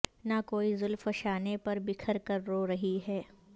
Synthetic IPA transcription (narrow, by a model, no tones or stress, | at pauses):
nakoːizʊlfɐʃaːnepɐɾbɪkʰəɾkɐɾːoːɾɐɦiɦɛː